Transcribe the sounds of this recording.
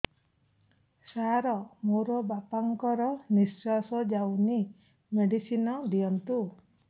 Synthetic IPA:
saɾɔmoɾɔbapaŋkɔɾɔnisasɔd͡ʒawni | meɖisinɔd̪ijɔnt̪u

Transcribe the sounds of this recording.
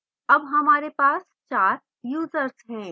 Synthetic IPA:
ɐbɦɐmaːɾepaːs | t͡ʃaːɾ | juːzəɾsɦɛ̃ː

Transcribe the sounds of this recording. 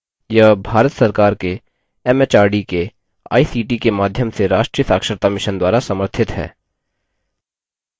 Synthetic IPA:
jɐɦbʱaːɾət̪sɐɾkaːɾke | ɛmet͡ʃaːɾɖike | a̰ːisiːʈikemaːd̪ʱjəmseɾaːʃʈɾijət̪aːkʃəɾt̪amɪʃənd̪waːɾasɐməɾt̪ʰɪt̪ɦɛ̰ː

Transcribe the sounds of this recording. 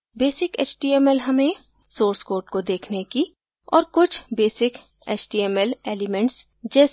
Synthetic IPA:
beːsɪkḛːt͡ʃʈiːɛmɛlɦɐmẽ | soːɾskoːɾʈkod̪eːkʰneki | ɔ̰ːɾkʊt͡ʃʰbeːsɪk | eːt͡ʃʈiːemɛleːlɪmɛ̃ɳʈs | d͡ʒɛːs

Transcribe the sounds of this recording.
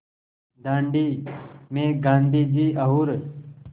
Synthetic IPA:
d̪ãːɳɖiːmẽːɡãːnd̪ʱiːd͡ʒiːʔɐɦuːɾ

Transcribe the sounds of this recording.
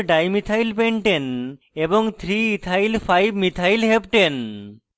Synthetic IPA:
ɖajmit̪ʰajlpeɳʈen | eboŋt̪ʰɾiit̪ʰajlfajbmit̪ʰajlɦepʈen

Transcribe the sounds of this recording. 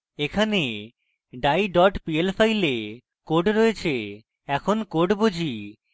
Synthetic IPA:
ekʰane | ɖajɖɔʈpielfajle | koɖɾoet͡ɕʰe | ɛkʰonkoɖbod͡ʑʱi

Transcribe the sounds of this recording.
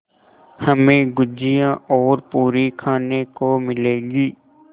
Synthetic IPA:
hɐmẽɡʊd͡ʒijãɔːɾpuːɾikʰaːnekomɪleːɡiː

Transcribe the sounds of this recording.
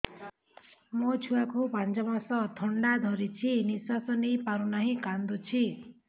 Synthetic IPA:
mot͡sʰuakobʱand͡zʌmasʌt̪ʰʌɳɖad̪ʱʌɾit͡sʰinisasʌnipaɾunaɦĩkand̪ut͡sʰi

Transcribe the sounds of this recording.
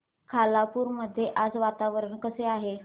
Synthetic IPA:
kʰalapuːɾməd̪ʱːjeʔad͡zʋat̪aʋəɾəɳkəseaɦe

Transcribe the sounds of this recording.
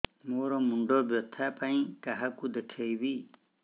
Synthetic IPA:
moɾɔmuɳɖɔbjɔt̪ʰapaĩkaɦakud̪eʈʰejbi

